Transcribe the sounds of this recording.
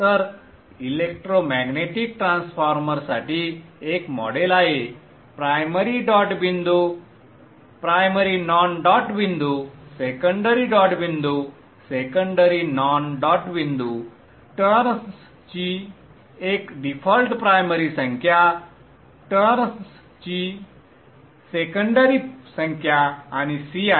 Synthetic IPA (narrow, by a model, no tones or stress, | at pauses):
t̪əɾ | ilek̚ʈɾomɛɡneʈik̚ʈɾãnsfʰɔɾməɾsaʈiekmɔ̰ɖelaɦe | pɾajməɾiɖɔʈbind̪u | pɾajməɾinɔnɖɔʈbind̪usekəɳɖəɾiɖɔʈbind̪u | sekəɳɖəɾinɔnɖɔʈbind̪u | ʈəɾs | t͡ɕi | ekɖifʰɔlʈpɾajməɾisə̃ŋkʰja | ʈəɾs | t͡ɕi | sekəɳɖəɾisə̃ŋkʰjaañisia